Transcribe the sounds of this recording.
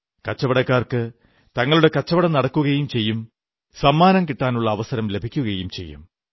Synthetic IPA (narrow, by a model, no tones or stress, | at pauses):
kɐt͡ɕːɐʋɐɽɐkːaːrkɨ | t̪ɐŋːɐɭuɽe̞kɐt͡ɕːɐʋɐɽɐnɐɽɐkːuɣɐjumt͡ɕe̞jːum | sɐmːaːnɐmkiʈːaːnuɭːɐːʋɐsɐɾɐmle̞bʱikʲːuɣɐjumt͡ɕe̞̰jːṵm